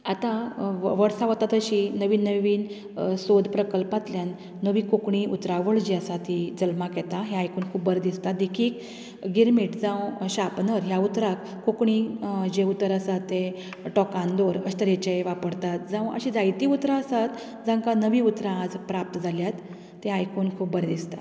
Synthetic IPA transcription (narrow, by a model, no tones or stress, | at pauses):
at̪ãʋəɽsaʋət̪at̪əɕinəʋiːnːəʋiːn | sod̪pɾəkəlpat̪ljanː | əʋiːkokɳiʔut̪ɾaʋəɭd͡ʑiəsat̪id͡zəlmakjɛt̪aɦeajkuːnkʰuːbbəɾd̪ist̪at̪̚d̪ekʰiːk | ɡiɾmiʈd͡zãwɕapnəɾɦjaut̪ɾak | kokɳid͡ʑeut̪əɾəsatt̪ːe | ʈɔkãnd̪oɾəɕi̥t̪əɾjɛt͡ɕajʋapəɽt̪at̪̚d͡zãwə̰ɕid͡zajt̪iut̪ɾaəsat̪ | d͡zãŋkanəʋiut̪ɾãːd͡zpɾap̚t̪əd͡zʱaljat̪ː | eajkunkʰuːp̚bəɾd̪ist̪a